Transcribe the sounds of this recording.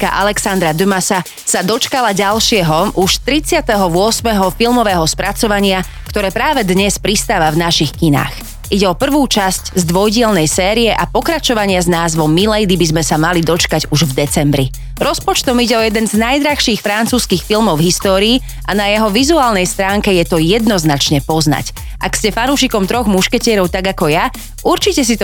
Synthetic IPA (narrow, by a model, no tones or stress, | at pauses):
ka̰ʔalɛksand̪ɾad̪ymasa | sad̪ɔt͡ʃkalaɟalʃɪɛɦɔʔuʃt̪ɾit͡sɪat̪ɛɦɔʋʊɔsmɛɦɔfilˠmɔʋɛːɦɔspɾat͡sɔʋaɲɪa | kt̪ɔɾɛːpɾaːʋɛd̪ɲɛspɾist̪aːʋavnaʃixkina̰ːx | ʔiɟɛɔpr̩ʋuːt͡ʃasczd̪ʋɔjɟɪɛlnɛjsɛːɾiɛʔapɔkɾat͡ʃɔʋaɲɪaznaːzʋɔmːilɛjd̪ibizmɛsamalid̪ɔt͡ʃkaɟuʒvd̪ɛt͡sɛmbɾi | ɾɔspɔt͡ʃt̪ɔmiɟɛɔjɛd̪ɛnznajd̪ɾaxʃiːxfɾant͡suːskiːxfilmɔʊɦist̪ɔːɾiː | ʔanajɛɦɔʋizuaːlnɛjst̪ɾaːŋkɛjɛt̪ɔjɛd̪nɔznat͡ʃɲɛpɔzna̰c | ʔa̰kscɛfanuːʃikɔmt̪ɾɔɣmuʃkɛcɪɛɾɔʊt̪aɡakɔja | ʔuɾt͡ʃicɛs̬it̪ɔ